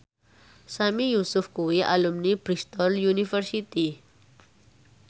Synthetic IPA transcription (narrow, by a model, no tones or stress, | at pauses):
samijusufkuiʔa̰lumnipɾist̪ɔljunifəɾsit̪i